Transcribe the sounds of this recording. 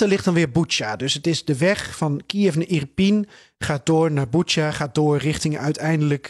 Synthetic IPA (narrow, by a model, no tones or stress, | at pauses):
əlɪχtdɑnʋɪːɹbut͡ʃadɵsətɪzdəʋɛχfɑnkifnəʔirpin | χaːdʊːɹnaːɹbut͡ʃaχaːt̚doːɹrɪχtɪŋœɥtʰɛjndələk